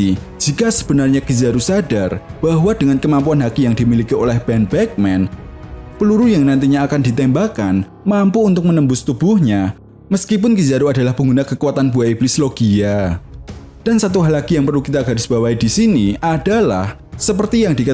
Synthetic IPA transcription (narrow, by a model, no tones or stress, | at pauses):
i | d͡ʒ̥ikasə̥b̥ənarɲakizaɾusadarb̥aɦwad̥əŋankəmampuanɦakijaŋdimilikiolɛhbɛnbɛk̚mɛnpəluɾujaŋnant̪̬iɲaːkandit̪ɛmbakan | mampuːnt̪ʊk̚mənəmbʊst̪ub̥uhɲa | məskip̬ʊnkizaɾuadalahpəŋɡunakəkuat̪anb̥uaiblɪsloɡ̥ia | d̥ansat̪̬uɦalaɡijaŋpərlukit̪aɡarɪ̥sb̥awaidisiniʔadala̰h | səp̬ərt̪ijaŋdik